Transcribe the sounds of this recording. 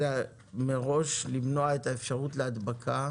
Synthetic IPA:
a | meʁo̞ʃlimno̞aetaefʃaʁutleadbakʰa

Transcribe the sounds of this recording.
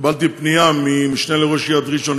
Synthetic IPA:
balt̪ipnijamimiʃneleʁoʃjad̪ʁiʃon

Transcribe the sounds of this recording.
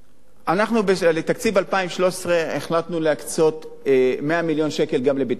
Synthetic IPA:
ʔanaχnubelet̪akt͡sivalpaimʃlo̞ʃe̥sʁe̞ːχlat̪nuleakt͡so̞t̪ | me̞amiljo̞nʃe̞ke̞lɡamlebit

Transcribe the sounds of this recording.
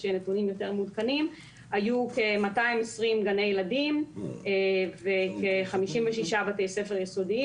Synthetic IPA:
ʃenetunimjo̞teʁmud̪kanim | hajukemataimesʁimɡanejeladimevekeχamiʃimveʃiʃabat̪ese̞feʁjeso̞di

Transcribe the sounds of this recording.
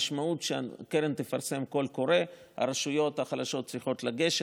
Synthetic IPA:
ʃmautʃea̰keɾent̪efaɾse̞mko̞lko̞ɾe̞ | ha̰ɾeʃujo̞t̪haχalaʃo̞t̚t͡sʁiχo̞t̪laɡe̞ʃ

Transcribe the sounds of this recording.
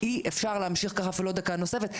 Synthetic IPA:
iʔefʃaʁlehamʃiχkaχafilod̪akano̞se̞fet̪

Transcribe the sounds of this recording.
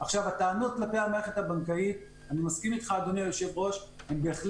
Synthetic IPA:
aχʃavat̪aːnud̪̚klape̞jamaʁeχet̪habaŋkait̪̚ | animaskimit̪χaːd̪o̞nijoʃe̞vʁo̞ʃhembe̞ːχl

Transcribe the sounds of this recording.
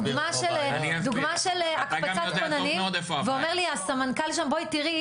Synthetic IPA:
ɡmaʃelnid̪uɡmaʃelakpat͡sat̪onaniodefveomeʁliasamankalʃamboit̪iʁi

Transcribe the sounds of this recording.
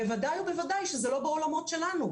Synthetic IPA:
bevad̪ajube̞vadajʃezelo̞beo̞lamo̞tʃelanu

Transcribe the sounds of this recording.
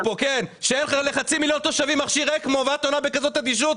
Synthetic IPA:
pokenʃeenχaʁeleχat͡similjont̪o̞ʃavimaχʃiʁekmovat̪onabekazo̞tad̪iʃ̬ut

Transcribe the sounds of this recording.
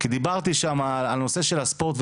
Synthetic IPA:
kid̪ibaʁt̪iʃamalalno̞se̞ʃe̞lhaspo̞ʁt̪v

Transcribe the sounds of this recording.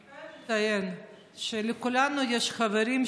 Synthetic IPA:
ajen | ʃelekulanujeʃχaveɾim

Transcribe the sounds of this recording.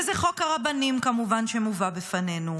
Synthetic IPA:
zeχo̞kaʁabanimkamuvanʃemuvabefane̞nu

